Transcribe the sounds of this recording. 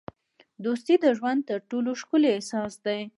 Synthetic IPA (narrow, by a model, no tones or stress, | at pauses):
d̪ost̪id̪əʒwand̪̚t̪əɾʈoloʃkʊlesɑsd̪aj